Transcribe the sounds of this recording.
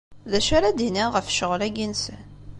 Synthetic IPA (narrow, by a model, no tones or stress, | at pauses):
ðæʃaɾad̪iniʁəfʃəʁlæɡinsən